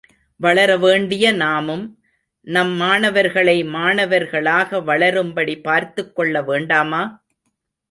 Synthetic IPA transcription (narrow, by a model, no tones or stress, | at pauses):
ʋɐɭɐɾɐʋeːɳɖɪjɐnaːmɯm | nɐmːaːɳɐʋɐɾɣɐɭɐɪmaːnɐʋɐɾɣɐɭaːɣɐʋɐɭɐɾɯmbɐɽipaːɾt̪ɯkːɔɭːɐʋeːɳɖaːmaː